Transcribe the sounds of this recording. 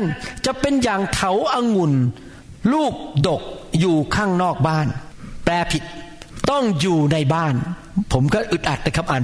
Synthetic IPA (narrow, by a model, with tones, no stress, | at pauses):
a˥˩nt͡ɕa˨˩ʔpe˧njaː˨˩ŋt̪ʰa˨˦wʔa˧ŋu˨˩n | luː˥˩p̚do˨˩k̚juː˨˩kʰaː˥˩ŋnɔː˥˩k̚baː˥˩nplɛː˧pʰi˨˩t̪̚ | t̪ɔ˥˩ŋjuː˨˩na˧jbaː˥˩n | pʰo˩˦mkɔː˥˩ʔɯ˨˩t̪̚ʔa˨t̪̚daː˧˦˩kʰa˦˥pʔaː˨˩